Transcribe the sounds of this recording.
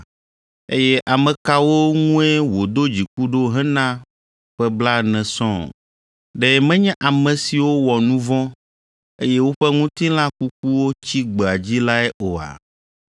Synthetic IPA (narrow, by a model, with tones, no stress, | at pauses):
e˦jɛ˦ʔa˨mɛ̃˨ka˦wo˦ŋũ˦ɛ˦wo˨d̪o˦d͡ʑi˨ku˦ɖo˦ɦɛ̃˦nã˦˨ | ɸɛ˦bla˦nɛ̃˨sɔ̰̃˦˨ | ɖɛ˨mɛ̃˦ɲɛ̃˦ʔa˨mɛ̃˨si˨wo˦wɔ˨nũ˦vɔ̃˦ | ḛ˦jɛ˦wo˦ɸɛ˦ŋũ˦t̪ĩ˦l̃ã˦ku˦k̚u˦wo˦t͡ɕi˦ɡ͡be˨a˨d͡ʑi˦la˦ɛ˦ʔo˨a̰˨